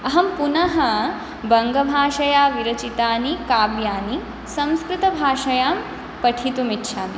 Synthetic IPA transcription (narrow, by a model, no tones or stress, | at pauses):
ɐɦɐmpunɐɦɐ | bɐŋɡɐbʱaːʃɐjaːʋiɾɐt͡ʃit̪aːnikaːbjaːni | sɐ̃mskɾɪt̪ɐbʱaːʂɐjaːm | pɐʈʰit̪umitːʃʰaːmi